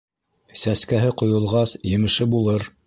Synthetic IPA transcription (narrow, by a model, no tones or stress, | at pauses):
sæskæɦɘqŏjŏlˠʁɑsjɘ̆mɘ̆ʃɘbulˠɤɾ